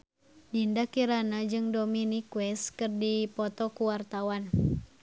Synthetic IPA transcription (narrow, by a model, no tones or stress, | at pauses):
dindakiɾanad͡ʒɨŋdominikwɛskɨrdipɔt̪ɔkuwart̪awan